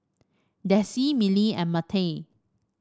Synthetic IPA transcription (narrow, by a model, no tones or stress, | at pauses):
dɛsimiliɛ̰̃nmatʰe